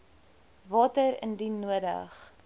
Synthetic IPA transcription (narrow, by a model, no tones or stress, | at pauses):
vɑːtəɾə̰ndinuədə̰χ